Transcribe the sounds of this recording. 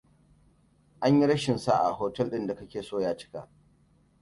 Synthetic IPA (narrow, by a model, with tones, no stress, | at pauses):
ʔa˦ɲji˦ɽɐ˦ʃɪ˨nsa˦ʔa̰˨hoː˦tɛ˦lɗɪ˦nda˨kɐ˦kʲeː˨soː˦jaː˦t͡ʃɪ̥˦ka̰ː˨ʔ